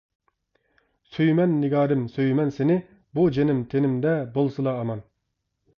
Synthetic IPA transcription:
søjmɛnːɪɡɑːɾɨmsøjmɛnsenɪ | bud͡ʒenɪmt̪ʰenɪmd̪ɛbolˠsɨlˠɑːmɑn

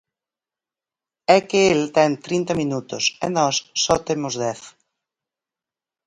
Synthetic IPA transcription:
ɛkɪelt̪ɛŋt̪ɾint̪ɐmĩnut̪ʊsɛ̰nɔsːɔt̪emʊzðɛθ

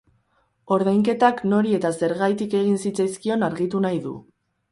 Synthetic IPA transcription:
o̞ɾðajŋke̞t̪akno̞ɾie̞t̪ase̞ɾɣajt̪ike̞ɣinsit͡sajskio̞naɾɣit̪unajðṵ

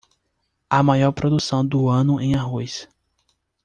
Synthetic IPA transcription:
amajɔɾpɾod̪usɐ̃w̃d̪ʊɐ̃nʊʔẽj̃aɦojs

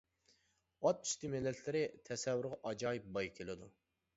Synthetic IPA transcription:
ɑt̪ːy̥ʃt̪ɪmelːɛt̪ʰlɪɾɪt̪ʰɛsɛvːyɾʁɑʔɑd͡ʒɑːjip̚bɑjkʲʰelɪd̪u

